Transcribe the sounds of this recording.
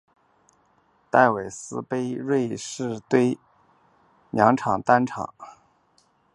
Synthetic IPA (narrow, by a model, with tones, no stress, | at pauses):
t̪a˥˩ɪwe˨˩ɪsɹ̩˥pe˥ɪɻwe˥˧ɪʂɻ̩˥˧t̪we˥˧ɪ | njɑ˧˥ŋʈ͡ʂʰɑ˨˩ŋt̪a˥nʈ͡ʂʰɑ̰˨˩˦ŋ